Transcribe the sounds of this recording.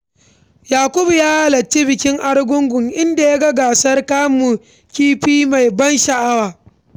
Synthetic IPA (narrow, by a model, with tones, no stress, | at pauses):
jaː˨kʷʊ˦bu˨jaː˦a˦lɐ˨t͡ʃːi˦bɪ˨kʲɪ˦ŋʔa˦rɡʷʊ˦ŋɡʊ˨ŋʔɪ˦nda˨ja˦ɡɐ˦ɡaː˨sɐ˦rkaː˦mu˨ | kʲiː˦ɸiː˦ma˨jbɐ˦nʃɐ˨ʔa˦waː˨